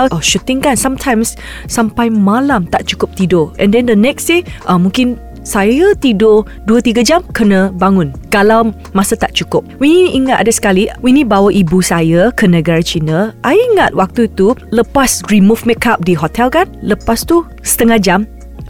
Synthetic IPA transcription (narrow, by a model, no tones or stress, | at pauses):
ʃut̪ɪŋkansamtʰãjmsː | ampajmalamt̪aʔt͡ʃu̥kʊp̚t̪idoʔɛ̃ndɛ̃ndənɛksiʔamũŋkɪn | sajjət̪ido | duət̪iɡad͡ʒamkənabaŋũnkalaw | masət̪aʔt͡ʃukʊp̚winiʔiŋat̪ʔa̰dasə̥kaliwinibawəʔibusajəkənəɡaɹat͡ʃinəʔajiŋat̪̚wak̚t̪uit̪uləpasɹimufmɛkʰap̚diɦot̪ʰɛlkanləpast̪u | sə̥t̪əŋahd͡ʒam